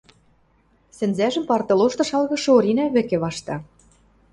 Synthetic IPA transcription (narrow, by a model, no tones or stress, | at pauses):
sɘ̆nzæʒə̆mpɑrt̪ɤ̆loʃt̪ɤ̆ʃɑlɣɤ̆ʃɤ̆oɾʲinæβɘ̆kĕβɑʃt̪ɑ